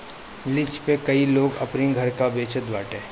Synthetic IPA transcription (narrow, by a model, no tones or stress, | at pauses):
lɪt͡ʃpekɐiloːɡɐ̰pniɡʱɐɾkabeːt͡ʃət̪ʋaːʈẽː